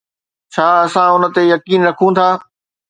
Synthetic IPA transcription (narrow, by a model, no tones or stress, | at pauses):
t͡ɕʰaːɐsãʊnə̆t̪ejɐkiːnɾɐkʰũt̪ʰaː